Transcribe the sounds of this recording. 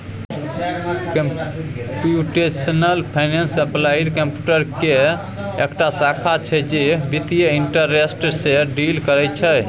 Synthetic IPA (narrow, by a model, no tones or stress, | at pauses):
kmpjuʈesənəlpʰajnensəplajiɖkəmpjuʈəɾke | ekʈasakʰat͡ʃʰɛd͡ʒebit̪ijəiɳʈəɾesʈseɖilkəɾɛjt͡ʃʰɛ